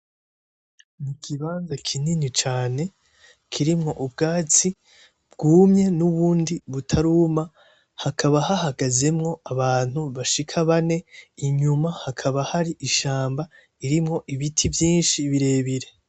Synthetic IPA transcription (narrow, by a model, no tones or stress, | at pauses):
mukʰiβaːnzakʰininit͡ʃaːne̞ | kʰiɾimŋo̞ʔubɡaːt͡si | b̥ɡuːmɲe̞nuβuːndiβutʰaɾuːma | hakʰaβahahaɡaze̞mŋo̞aβaːn̥huβaʃikʰaβane̞iɲumahakʰaβahaɾiʔiʃaːmba | iɾimŋo̞ʔiβitʰivjiːnʃiβiɾe̞ːβiɾe̞